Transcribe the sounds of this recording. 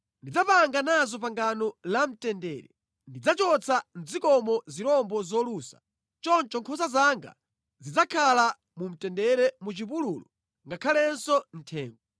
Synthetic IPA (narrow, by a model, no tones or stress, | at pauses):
ndid͡zapaŋɡanazɔp̬aŋɡanɔlam̩tɛndɛ̰ːɾɛ̰ | ndid͡zat͡ʃɔt͡sʰan̩zikɔmɔziɾɔmbɔzɔluːsḁ | t͡ʃɔnt͡ʃɔŋkʰɔsazaŋɡa̰ | zid͡zakʰala | mum̩tɛndɛɾɛmut͡ʃipuluːlɔ | ŋɡakʰalɛnsɔn̩tʰɛːŋɡɔ